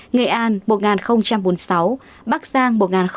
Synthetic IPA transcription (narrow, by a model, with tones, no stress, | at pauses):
ŋe˨˩ʔaː˧nmo˨˩t̚ŋaː˨˩nxə˧wŋ͡mt͡ɕa˧mɓo˨˦nsa˨˦w | ɓaː˦˥k̚zaː˧ŋmo˨˩t̚ŋaː˨˩nx